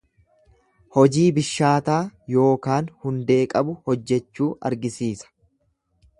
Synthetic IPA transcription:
hɔd͡ʒiːbɪʃːaːt̪aːjo̞ːkaːnhʊnd̪e̞ːkʼɐbʊhɔd͡ʒːɛt͡ʃːuːʔɐ̰ɾɡɪsiːsɐ̥

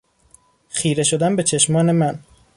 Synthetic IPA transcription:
xiːɾe̞ʃo̞d̪ænbe̞t͡ʃʰe̞ʃmɒːne̞mæn

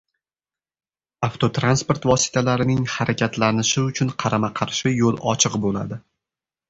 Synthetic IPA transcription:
aft̪ʰot̪ɾanspo̞ɾt̪vɒsɪ̥t̪ʰalaɾɪnɪŋhaɾakʲʰat̪ʰlanɪʃɪʊt͡ʃʰʊnqʰɑɾamaqʰɑɾʃɪjolˠɒ̰t͡ʃʰɨqbola̰d̪ɪ

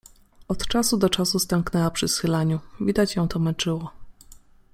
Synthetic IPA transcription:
ɔt̪t͡ʂasud̪ɔt͡ʂasust̪ɛŋknɛwapʂɘsxɘlaɲuvʲid̪at͡ɕjɔ̃w̃t̪ɔmɛnt͡ʂɘwɔ

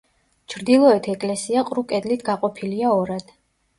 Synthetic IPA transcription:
t͡ʃʰɾd̪ilˠɔɛt̪ʰɛkʼlɛsiaqʼɾukʼɛd̪lit̪ʰɡaqʼɔpʰiliaɔɾad̪̥

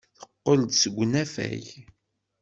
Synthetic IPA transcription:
θə̥qːəld̪səɡʷːnæfæ̰j

